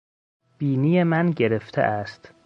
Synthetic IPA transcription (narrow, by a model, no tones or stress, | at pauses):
b̥iːnijemænɟe̞ɾe̞ft̪ʰḛʔæst̪